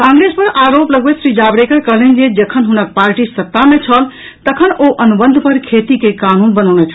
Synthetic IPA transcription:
kãŋɡɾespəɾaɾopləɡwesɾid͡ʒabɾekəɾkəɦlend͡ʒed͡ʒəkʰənɦunək̚paɾʈisət̪ːamet͡ʃʰəl | t̪əkʰənoʔənubənd̪ʱpəɾkʰet̪ikekanunbənəwnet͡ʃʰ

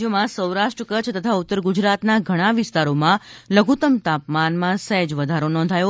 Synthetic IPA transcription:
jəmãsəwɾaʂʈɾəkət͡ʃʰt̪ət̪ʰaut̪ːəɾɡud͡ʒɾat̪naɡʱəɽ̃aʋɪst̪aɾomãləɡʱut̪əmt̪apmanmãsɛd͡ʒʋəd̪ʱaɾonɔ̃n̆d̪ʱajo

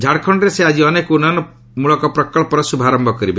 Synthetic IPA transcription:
d͡ʒʱaɽkʰɔɳɖɔɾesead͡ʒiɔnekunanɔ | muɭɔkɔpɾɔkɔɭpɔɾɔsubʱaɾɔmbʱɔkɔɾibe

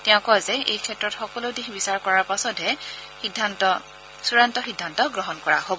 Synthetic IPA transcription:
tɛʊ̃kɔazɛʔejkʰɛtɹɔtxɔkɔlodixbisaɹkɔɹaɹpasɔtɦɛ | idʱat | suɹantɔxidʱːantɔɡɹɔɦɔnkɔɹa̰hobɔ

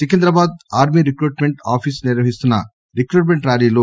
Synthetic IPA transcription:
sikend̪ɾɐbaːd̪aːɾmiːɾikɾuːʈmeɳʈa̰ːpʰisniɾʋɐɦist̪unːɐ̰ | ɾikɾuːʈmeɳʈɾaːɾiːloː

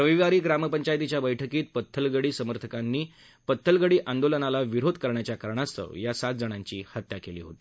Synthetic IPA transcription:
pɾəʋiʋaɾiːɡɾaməpəɲt͡ɕajt̪it͡ɕjabəjʈʰəkiːt̪̚pət̪ʰːəlɡəɽiːsəməɾt̪ʰəkanːiː | pət̪ʰːəlɡəɽiːʔand̪olənalaʋiɾod̪ʱkəɾɳjat͡ɕjakəɾɳ̃ast̪ʰə̰wjasat̪̚d͡zəɽ̃aɲt͡ɕiːhət̪jakeliːɦo̰t̪i

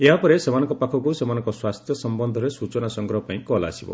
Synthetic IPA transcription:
eɦapɔɾesemanɔ̃ŋkɔpakʰɔkusemanɔ̃ŋkɔswast̪ʰjɔsɔmbɔnd̪ʱɔɾesut͡ʃɔnasɔŋɡɾɔɦɔpaĩkɔla̰ːsibɔ̰

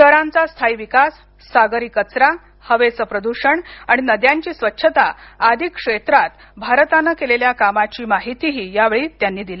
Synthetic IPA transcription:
t̪əɾãnt͡sast̪ʰaiʋikasː | aɡəɾikət͡sɾa | həʋet͡səpɾəd̪uɕəɳaɽ̃inəd̪jaɲt͡ɕiːsʋətːɕʰət̪aəd̪ʱikːʂet̪ɾat̪ | bʱaɾt̪anːəkeleljakamat͡ɕiːmaɦit̪iɦiːjaʋeɭiːt̪janːiːd̪ile

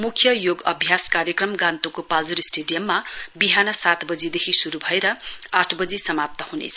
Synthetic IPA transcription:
mukʰjʌjoɡʌbʱjaskaɾjʌkrʌmɡãnt̪ukopald͡zuɾisʈeɖijʌmːabiɦanʌsat̪bʌd͡zid̪ekʰisuɾubʱʌeɾʌaʈʰbʌd͡zisʌmap̚t̪ʌhunḛt͡sʰʌ

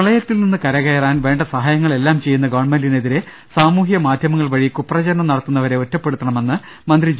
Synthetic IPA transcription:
ɐɭɐjɐt̪ːilninːɨkɐɾɐɣɐjɐraːnʋe̞ːɳɖɐsɐɦaːjɐŋːɐɭe̞lːaːmt͡ɕe̞jːunːɐɡɐʋɐɳmendine̞ðiɾe̞ | saːmuːɦijɐmaːd̪ʱjɐmɐŋːɐɭʋɐɻijɐkːupːrɐt͡ɕɐɾɐɳɐmnɐɽɐt̪ːunːɐʋɐɾe̞o̞tːɐpːe̞ɽut̪ːɐɳɐme̞nːɨ | mɐnd̪rid͡ʑ

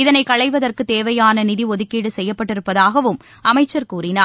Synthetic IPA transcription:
ɪðɐnɐɪkɐɭɐɪʋɐðɐrkɯt̪eːʋɐjaːnɐnɪðiɔðɯkːiːɽɯsɛjːɐpːɐʈːɪɾɯpːɐðaːɣɐʋɯm | ɐmɐɪt͡ʃːɐɾkuːrɪnaː

